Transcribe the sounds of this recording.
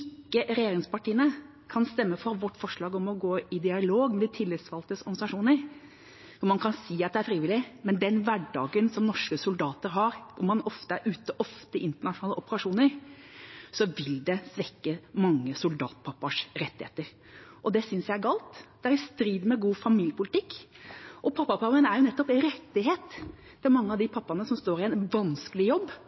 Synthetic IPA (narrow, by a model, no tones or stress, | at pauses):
ɪkːəɾɛjeːɾɪŋspɑʈiːənə | kʰɑnst̪ɛmːəfɔɾʋɔʈːfɔʂɭɑːɡɔmɔɡoːɪd̪ɪɑloːɡmɛd̪ɪt̪ʰɪlːɪsʋɑlt̪əsɔɾɡɑnsɑʂuːnəɾ | ʋʊmɑnkʰɑnsiːɑt̪̚d̪ɛæɾfɾiːʋɪlːɪmɛnd̪ɛnʋæɖɑ̰ːɡənsɔmnɔʂkəsʊld̪ɑːt̪əɾɦɑɾʊmːɑnɔft̪əæɾʉːt̪əʔɔft̪əɪʔɪnt̪əɳɑʂʊnɑːləʔɔpəɾɑʂuːnəɾ | sɔʋɪld̪ɛsʋɛkːəmɑŋːəsʊld̪ɑ̰ːt̪̚pʰɑpːɑʂɾɛt̪ːɪhḛːt̪əɾ | ʔɔd̪ɛsʏnsjæɪæɾɡɑːlt̪d̪̥ɛæɾɪst̪ɾiːd̪mɛɡuːfɑmiːljəpʊlɪt̪ɪkː | ʔɔpʰɑpːɑpʰɑpənæɾjʊnɛt̪ːɔpɪɾɛt̪ːɪɦeːt̪ | fɛmɑŋːəɑʋd̪ɪpʰɑpːɑnəsɔmst̪oːɾɪɛnʋɑnskəlɪjɔbː